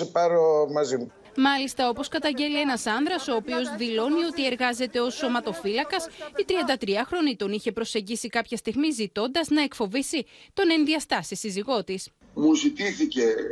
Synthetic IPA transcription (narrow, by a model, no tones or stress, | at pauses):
epɐɾomɐzim | mɐlist̪ɐo̞po̞skɐt̪ɐɲɟe̞lie̞nɐsɐnðɾɐso̞ːpio̞zðilo̞nio̞t̪ie̞ɾɣɐze̞t̪e̞o̞so̞mɐt̪o̞filɐkɐsit̪ɾiɐnd̪ɐt̪ɾiɐxɾo̞nit̪o̞niçe̞pɾo̞se̞ɲɟisikɐpçɐst̪iɣmizit̪o̞nd̪ɐznɐe̞kfo̞visit̪o̞ne̞nðiɐst̪ɐsisiziɣo̞t̪is | muzit̪iθice